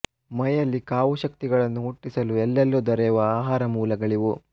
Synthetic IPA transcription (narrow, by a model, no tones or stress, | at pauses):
mɐjɐlːikaːʋuʃɐk̚t̪iɡɐɭɐnːuɦuʈːisɐluɛlːɛlːud̪ɔɾɛʋɐaːɦaːɾɐmuːlɐɡɐɭiʋu